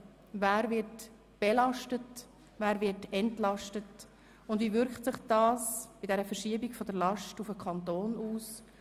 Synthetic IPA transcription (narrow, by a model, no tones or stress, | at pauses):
væːɾvɪɾt | b̥ɛlɑʃtət | væːɾvɪɾtɛntlɑʃtət | ʊndvivʏɾktsɪχd̥ɑːsb̥ɪdɛɾəfəɾʃiːəbɪkfɔdəɾlɑʃtufəkʰχɑntoːnuːs